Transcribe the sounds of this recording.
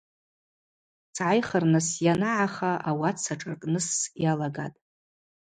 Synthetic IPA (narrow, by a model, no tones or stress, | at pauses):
t͡sʰʕajχərnɨsjanaʕaχaʔawat͡sʰaʈ͡ʂʼɨrkʼnɨsjalaɡa̰tʼ